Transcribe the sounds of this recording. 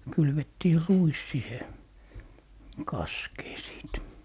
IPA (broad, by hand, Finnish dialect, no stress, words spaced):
kylʋetːiː ruis sihe kɑskeː siˑt